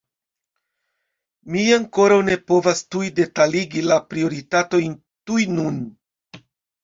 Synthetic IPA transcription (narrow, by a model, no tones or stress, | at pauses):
miaŋko̞ɾawne̞po̞vastujde̞taliɡilapɾio̞ɾitato̞jn | tujnun